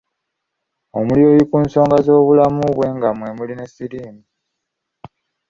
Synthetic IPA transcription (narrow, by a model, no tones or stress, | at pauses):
o̞mulio̞ːjikuːnso̞ːŋɡazo̞ːβulamuβwe̞ŋɡamwe̞muline̞sːiɾiːmi